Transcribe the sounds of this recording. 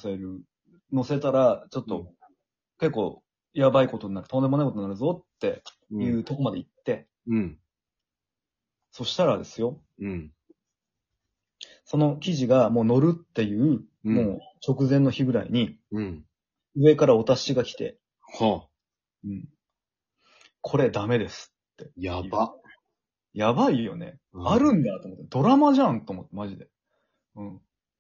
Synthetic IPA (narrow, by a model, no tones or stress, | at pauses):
saeɾɯ̟ | no̞se̞t̪aɾat͡ɕo̞t̪ːo̞ | ke̞kːo̞̰ː | jabaiko̞t̪oɲʲnaɾɯ̟t̪o̞nd̪emoaikot̪onaɾɯ̟zo̞t̪ːe̞ | jɯ̟ːt̪o̞ko̞mad̪e̞it̪ːe̞ | so̞ɕi̥t̪aɾad̪e̞sɨjo̞ | so̞no̞kʲiʑiɡamo̞ːno̞ɾɯ̟t̪ːe̞jɯ̟ː | mo̞ːt͡ɕo̞kɯ̟zẽ̞nːo̞çiɡɯ̟ɾa̰ḭɲ̟i | ɯ̟e̞kaɾaot̪aɕiɡakʲi̥t̪e̞̰ | ho | ɯ̟̃ɴ | kʰo̞ɾe̞d̪ame̞d̪e̞sɨ̥t̪ːe̞jaa | jabaijo̞̰ne̞̰aɾɯ̟̃nd̪at̪o̞mot̪ːd̪o̞ɾamaʑãnt̪oːmot̪ːemaʑid̪e̞ | ɯ̟̃ɴ